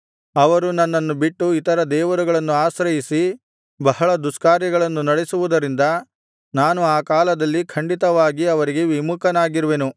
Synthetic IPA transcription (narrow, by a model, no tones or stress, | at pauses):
ɐʋɐɾunɐnːɐnːubiʈːuit̪ɐɾɐd̪ɛːʋɐɾuɡɐɭɐnːuaːsɾɐjisi | bɐɦɐɭɐd̪uskaːɾjɐɡɐɭɐnːunɐɽesuʋud̪ɐɾind̪ɐ | naːnuaːkaːlɐd̪ɐlːikʰɐɳɖit̪ɐʋaːɡiɐʋɐɾiɡe̞ʋimukʰɐnaːɡiɾuʋenu